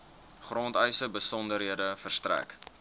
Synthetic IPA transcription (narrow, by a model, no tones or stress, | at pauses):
χrɔntœjsəbəsɔndəɾɦiədəfərstræ̰k